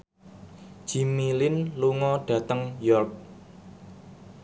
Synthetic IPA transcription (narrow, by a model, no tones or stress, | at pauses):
d͡ʒ̥i̤milɪnluŋɔɖ̥ä̤t̪əŋjɔrk̚